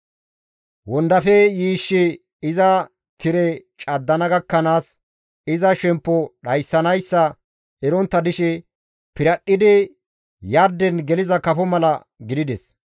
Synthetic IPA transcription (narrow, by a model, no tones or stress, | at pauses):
wɔnd̪ɐfɛjiːʃːɪ | ɪzɐ | t̪ɪɾɛt͡ʃʼɐd̪ːɐnɐɡɐkːɐnaːs | ɪzɐʃɛmpːɔɗɐjsːɐnɐjsːɐ | ɛɾɔnt̪ːɐd̪ɪʃɛ | pɪɾɐɗːɪd̪ɪ | jɐɾd̪ɛnɡɛlɪzɐkɐfɔmɐlɐ | ɡɪd̪ɪd̪ɛs